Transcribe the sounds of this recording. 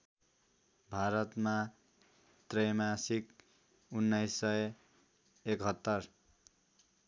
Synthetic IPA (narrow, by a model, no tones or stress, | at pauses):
bʱaɾʌt̪ma | t̪rʌjmasik | unːʌjsːʌj | ekɦʌt̪ːʌr